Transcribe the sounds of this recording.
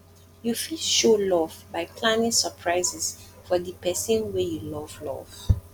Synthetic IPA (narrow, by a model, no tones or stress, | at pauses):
jufilʃolɔvbaɪkʰlãɪnɪ̃səpʰɹaɪzɛs | fɔðəpʰɛsə̃nwɛjulɔvlɔ̰v̥